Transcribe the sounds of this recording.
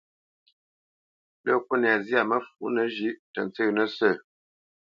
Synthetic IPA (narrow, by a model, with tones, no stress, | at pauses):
ɗə˦˨k̚wə˦n˨a˨zi˦a˨mə˦fu˨˦ʔnə˨ʒi˦ʔtə˨n˨t͡sə˦nə˦sə˦˨